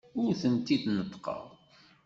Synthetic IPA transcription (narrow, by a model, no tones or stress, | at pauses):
ʊɾθənt̪id̪nət̪ːˤqɑ̰ðˤ